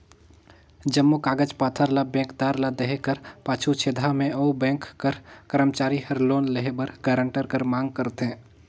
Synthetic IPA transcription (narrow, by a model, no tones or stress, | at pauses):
d͡ʒəmːukaːɡəd͡ʒpaːt̪ʰəɾlabɛ̃ːŋkd̪aːɾlad̪eɦekəɾpaːt͡ʃʰut͡ʃʰeːd̪ʱamẽoubɛ̃ːŋkːəɾkəɾəmt͡ʃaːɾihəɾloːnləɦebəɾɡɛːɾə̃ɳʈəɾkəɾmãːŋɡ̚kəɾt̪ɦɛ̃ː